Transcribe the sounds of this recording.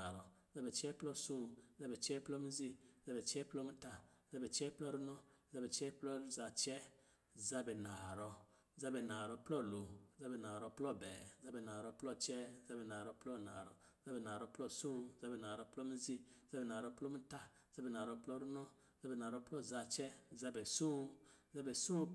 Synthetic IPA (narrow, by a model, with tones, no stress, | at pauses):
a˨ɾɔ˨za˦bɛ˨t͡ʃɛ˦plɔ˦sũ˦˨˦za˦bɛ˨t͡ʃɛ˦plɔ˦mi˦zi˦˨za˦bɛ˨t͡ʃɛ˦plɔ˦mi˦ta˦za˦bɛ˨t͡ʃɛ˦plɔ˦ɾu˦nɔ̃˦za˦bɛ˨t͡ʃɛ˦plɔ˦ɾza˨t͡ʃɛ˦ | za˦bɛ˨na˨ɾɔ˧˦ | za˦bɛ˨na˨ɾɔ˧˦plɔ˦˨lo˨za˦bɛ˨na˨ɾɔ˦plɔ˦˨bɛ˨za˦bɛ˨na˨ɾɔ˧˦plɔ˦t͡ʃɛ˦za˦bɛ˨na˨ɾɔ˦plɔ˦˨na̰˨ɾɔ̰˨˦za˦bɛ˨na˨ɾɔ˧˦plɔ˦sũ˦˨za˦bɛ˨na˨ɾɔ˧˦plɔ˦mi˦zi˦za˦bɛ˨na˨ɾɔ˧˦plɔ˦mi˦ta˦˨za˦bɛ˨naː˨ɾɔ˧plɔ˦˨ɾu˦nɔ˦ | za˦bɛ˨na˨ɾɔ˧˦plɔ˦˨za˧t͡ʃɛ˦˨za˦bɛ˨sũ˦ | za˦bɛ˨sũ˦